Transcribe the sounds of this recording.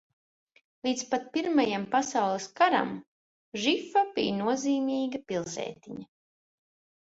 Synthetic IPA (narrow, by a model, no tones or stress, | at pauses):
lˠiːt̪spat̪̚piɾmajampasawlˠeskaɾa̰m | ʒifabijnuɔziːmiːɡɐpilˠsɛ̰ːt̪ʲiɲa